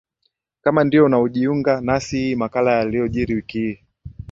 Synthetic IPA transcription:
kamandiɔunauʄiuŋɡanasihiːmakalajalijɔʄiɾiwikii

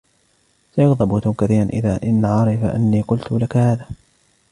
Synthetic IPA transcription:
sajʊɣd̪ˤɑbt̪ʊmkaθiːɾanʔɪ̰ðaːʔɪnːaʕɑɾˤɪfaʔa̰nːiːqʊlt̪ʊlakahaːðaː

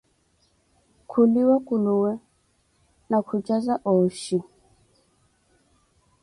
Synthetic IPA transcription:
kʰuliwakuluwɛ | nakʰut͡ʃazaʔɔʃi

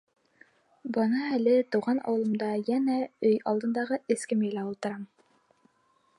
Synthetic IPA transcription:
bɤnɑælɘt̪ŭwʁɑnɑ̰wɤ̆lˠɤ̆md̪ɑjænæɵjɑlˠd̪ɤ̆nd̪ɑʁɤɘ̆skɘmjɘlæulˠt̪ɤ̆ɾɑm

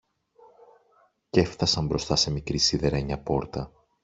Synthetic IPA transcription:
ce̞fθɐsɐmbɾo̞st̪ɐse̞mikɾisiðeɾeɲɐpo̞ɾt̪ɐ

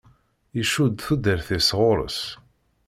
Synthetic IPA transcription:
iʃud̪θud̪əɾθisʁoɾˤə̰s

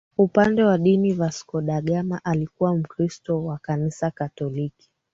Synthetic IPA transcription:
upandɛwaɗinivaskɔɗaɠamaʔalikuwam̩kɾistɔwakanisakatɔliki̥

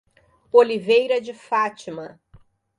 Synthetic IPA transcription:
olivejɾɐd͡ʒɪfat͡ʃimɐ

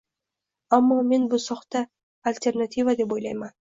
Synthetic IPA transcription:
amːɑme̞nbusɑqt̪ɑ | alʲt̪ʲe̞rnat̪ʲivad̪e̞p̬o̞jlˠɑjmɑn

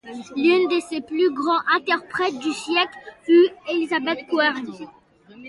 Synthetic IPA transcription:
lynd̪əseplyɡʁɑ̃ʔɛ̃t̪ɛʁpχɛt̪̚d̪ysjɛklfyelizabɛt̪kwaʁ

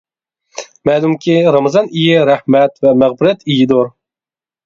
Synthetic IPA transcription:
mɛːlˠumkʲiɾɑmɨzɑnijiɾæhmɛt̪vɛmæʁbɪɾɛt̪ʰijid̪oɾ

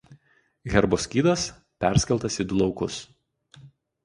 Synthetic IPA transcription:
ɣʲɛɾboːsʲkʲiːd̪ɐs | pʲæˑɾʲsʲkʲɛlˠt̪ɐsiˑd̪ʊlˠɒʊkʊs

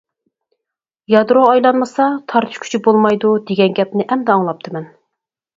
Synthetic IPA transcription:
jɑd̪ɾoɑjlˠɑnmɨsɑt̪ʰɑɾt̪ʰɨ̥ʃkʰʲy̥t͡ʃʰybolˠmɑjd̪ud̪eɡʲɛnɡʲɛp̚nɪʔɛmd̪ɑːŋlˠɑp̚t̪ʰɨmɛn

